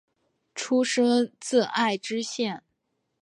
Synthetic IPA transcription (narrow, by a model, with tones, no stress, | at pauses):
ʈ͡ʂʰu˥ʂɤ˥ŋt͡sɹ̩˥˧a˥˩ɪʈ͡ʂɻ̩˥ɕjɛ˥˩n